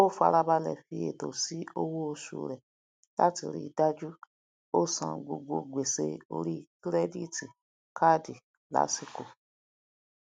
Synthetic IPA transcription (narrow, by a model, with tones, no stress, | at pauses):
o˦˨fa˧ɾa˧ba˧lɛ˨fi˧e˨to˨si˨˦o˦wo˦o˧sṵ˧ɾɛ˨ | la̰˦ti˧˨ɾḭ˦˧˨da˦d͡ʒu˦ | o˦sã̰˨ɡ͡bo˧ɡ͡bo˧ɡ͡be˨se˧o˧ɾi˦˨kɾe˦di˦˨ti˨ | kʰa˦di˨ | la̰˨˦si˧ko˨